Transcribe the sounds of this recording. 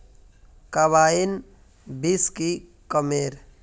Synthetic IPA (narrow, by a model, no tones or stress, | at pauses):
kaʋaːin | biski | kəmeːɾ